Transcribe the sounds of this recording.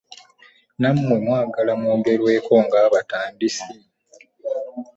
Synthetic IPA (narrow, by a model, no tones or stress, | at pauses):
nammwe̞mwaːɡalamwoːɡe̞ɾwe̞ːko̞ːŋɡaːβataːndisi